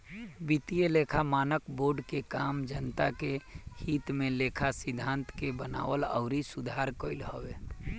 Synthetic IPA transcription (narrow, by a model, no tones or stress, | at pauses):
bit̪ijeleːkʰamaːnəkboːɾɖkekaːmd͡ʒənt̪akehiːt̪mẽleːkʰasɪd̪ʱːãːnt̪kebəna̰ːwələ̰ʊɾisʊd̪ʱaːɾkəɪlɦowe